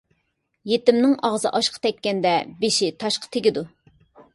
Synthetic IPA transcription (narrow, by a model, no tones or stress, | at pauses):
jet̪ɪmnɪŋɑʁzɨ̰ʔɑʃqʰɑ̥t̪ʰɛkʲːɛnd̪ɛbeʃit̪ʰɑʃqʰɑ̥t̪ʰeɡʲɪd̪u